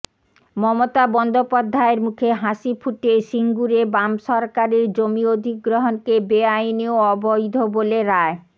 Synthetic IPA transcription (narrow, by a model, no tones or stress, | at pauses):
mɔmot̪abɔnd̪ʱopad̪ʱːaeɾmukʰeɦaʃifʰuʈeʃiŋɡuɾebamʃɔɾkaɾeɾd͡ʑomiod̪ʱiɡɾoɦonkebeajneoɔbojd̪ʱoboleɾae